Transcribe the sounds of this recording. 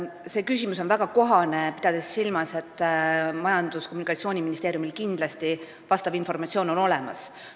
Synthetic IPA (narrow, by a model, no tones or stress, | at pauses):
se̞ːkys̬ʲimuso̞nvæɡ̥ɑko̞ɦɑne̞pi̥d̪ɑd̪̥esːilmɑse̞t̪ːˑmɑjɑnd̪̥uskomːunikɑt̪sio̞ːnʲiminist̪eːɾjumilkind̪lɑst̪i | vɑst̪ɑvinfo̞rmɑt̪ʲsio̞ːno̞no̞le̞mɑ̰s